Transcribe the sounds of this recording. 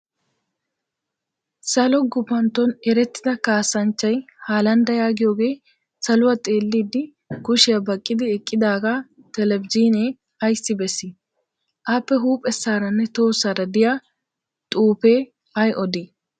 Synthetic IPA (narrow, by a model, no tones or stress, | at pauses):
sɐlɔɡʊpːɐnt̪ːɔnɛɾɛt̪ːɪ̥d̪ɐkaːsːɐnt͡ʃːɐjhaːlɐnd̪ɐjaːɡɪjo̞ːɡe̞ː | sɐlʊwat̪ʼe̞ːlːiːd̪ɪ | ɡʊʃɪjabɐkʼːɪd̪ɪɛkʼːɪd̪aːɡa | t̪ɛlɛbd͡ʒiːneː | ɐjsːɪbɛsːɪ | ʔaːpːɛɦuːpʼɛsːaːɾɐnːɛt̪o̞ːsːaɾɐd̪ɪja | t̪ʼuːpeː | ɐjʔɔd̪i